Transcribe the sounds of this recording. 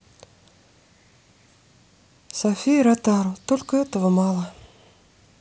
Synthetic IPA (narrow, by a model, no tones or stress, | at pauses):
sɐfʲijɾat̪ɑɾəwt̪olʲkəɛt̪əvəmɑlˠə